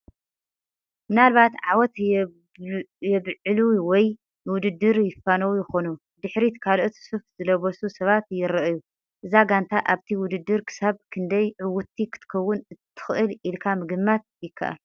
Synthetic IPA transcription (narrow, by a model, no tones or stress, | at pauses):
mɨnalβat̪ʕawɔt̪ | jɛβʕɨluwɔj | wʊd̪ɨd̪ːɨɾjɪfːanɐwujɪxo̞nu | d̪ɨħɾit̪kʰalʔot̪sufz̥ɨlɐβɐsusɐβat̪jɪɾɐʔɨju | ʔɨzaɡant̪ʰaʔaβt̪ʰiwʊd̪ɨd̪ːɨɾkʰɨ̥saβkʰɨnd̪ɐjʕɨwʊt̪ʰːikʰɨ̥t̪ʰɨ̥kʰɐwːʊnɨt̪ʰːɨ̥xʔɨlʔilkʰamɨɡɨmːat̪̚jɪkʰːa̰ʔa̰l